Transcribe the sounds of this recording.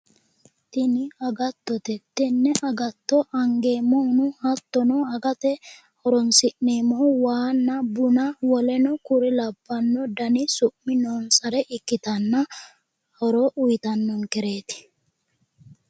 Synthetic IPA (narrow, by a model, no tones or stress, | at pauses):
t̪ɪnɪɐɡɐt̪ːɔt̪ɛt̪ːɛnːɛʔɐɡɐt̪ːɔʔɐŋɡe̞ːmːɔnʊhɐt̪ːɔnɔɐɡɐt̪ɛ | hɔɾɔnsɪʔneːmɔwaːnːɐbʊnɐwɔlɛnɔkʊɾɪlɐbːɐnːɔd̪ɐnɪsʊʔmːɪnɔːnsɐɾɛʔɪkːɪt̪ɐnːɐ | hɔɾɔʔʊjt̪ɐnːɔŋkɛɾe̞ːt̪ɪ̥